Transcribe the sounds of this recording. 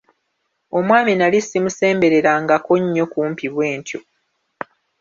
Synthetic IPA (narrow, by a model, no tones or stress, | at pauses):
o̞mwaːminalisimuse̞ːmbe̞ɾe̞ɾaŋɡako̞ɲːo̞kuːmpiβwe̞ːntʰjo̞